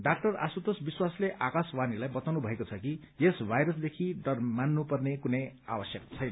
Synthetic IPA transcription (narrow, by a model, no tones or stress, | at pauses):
ɖak̚ʈʌra̰sut̪osbiswasleʔakaswanilajbʌt̪awnubʱʌekot͡sʰʌki | jesbʱajɾʌsd̪ekʰiɖʌrmanːupʌrnekunʌja̰wʌsjʌk̚t͡sʰʌjnʌ